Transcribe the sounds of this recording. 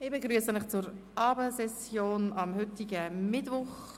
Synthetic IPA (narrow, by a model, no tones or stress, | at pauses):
ɪbeɡɾyəsənɪχt͡sʊɾ | ɑːbəsɛsjoːnɑmhʏt̪iɡəmɪtvʋʊχ